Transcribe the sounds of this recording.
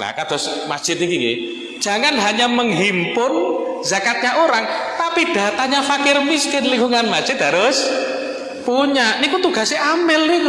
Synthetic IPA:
la̰kad̪̥ɔsmad̥ʒ̥ɪt̪ikikḭ | d̥ʒ̥a̤ŋanɦaɲaməŋɦimpʊnzakat̪̚ɲaʔoɾaŋt̪apid̥a̤t̪aɲafakɪrmiskɪnliŋɡuŋanmḁʒ̥ɪt̪̚ɦaɾʊs | puɲaʔnikut̪uɡ̥a̤seʔamɪlik

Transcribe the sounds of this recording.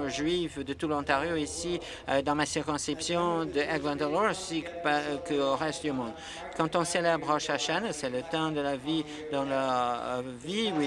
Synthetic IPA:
ʒɥivd̪ət̪ulɑ̃t̪aʁjoisi | d̪ɑ̃masiʁkɔ̃skipsjɔ̃d̪əʔaɡlɑ̃nd̪əlɔsikə̃ʁɛst̪d̪ymɔ̃d̪ | kɑ̃t̪ɔ̃selɛbʁɔʃaʃansɛlət̪ɑ̃d̪əlavi | d̪ɑ̃ləʁviwi

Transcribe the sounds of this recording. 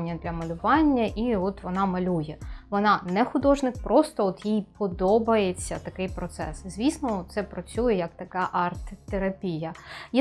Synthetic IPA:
nʲːɐd̪lʲɐmɐlʲʊʋɑnʲːɐʔiɔt̪ʋɔnɑmɐlʲujɛʋɔnɑnɛxʊd̪ɔʒnɪkpɾɔst̪ɔɔt̪jijpɔd̪ɔbɐjet͡sʲːɐt̪ɐkɪjpɾɔt̪sɛ̰szʲʋʲisnɔɔt̪̚t̪sɛpɾɔt͡sʲujɛjɐkt̪ɐkɑʔɑrt̪ːeɾɐpʲijɐj

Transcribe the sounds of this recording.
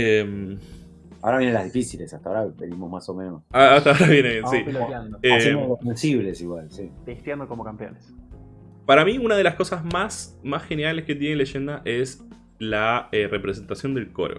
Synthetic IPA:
em | a̰oɾaβjenẽla̰ðifisilesat̪aoɾapeðimohmasomẽnosaat̪aoɾaβjenejenssipelojand̪oeeolosensiβlesiɣwalsib̥est̪jand̪oko̞mokampjo̰nes | paɾamiunað̞e̞lasko̞sazmasmasxe̞neɾalesket̪̬jeneleʃe̞nd̪aʔes | laere̞pɾes̬e̞nt̪asjo̞nd̪e̞lko̞̰ɾo̰

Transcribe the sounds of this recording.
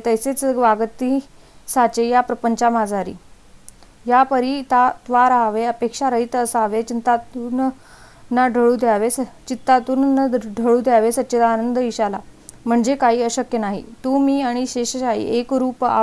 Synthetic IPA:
t̪əjset͡sɡʋaɡt̪i | sat͡ɕejapɾəpəɲt͡ɕamad͡zʱaɾḭː | japəɾit̪at̪ʋaɾaʋeəpekʂaɾəɦit̪əsaʋet͡ɕint̪at̪un | nːaɖʱəɭuːd̪ʱjaʋest͡ɕit̪ːat̪uːnɖʱəɭuːd̪ʱjaʋesət̪ːɕet̪aːnənd̪əʋiɕalam̤əɳd͡zekaɦiːəɕəkjənaɦḭt̪uːmiːaɽ̃iɕeɕəɕaḭʔekɾuːpa̰

